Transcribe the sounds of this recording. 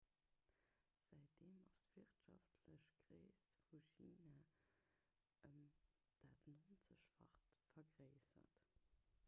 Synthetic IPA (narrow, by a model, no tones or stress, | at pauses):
z̥æɪt̚deːmɑstv̥iʁtʃɑftʰləɕɡ̥ʁḛɪstfuʃiːnaː | ʔəm | d̥aːtnoːnt͡səɕfɑ̰χtfɐɡʁeɪsɐ̰t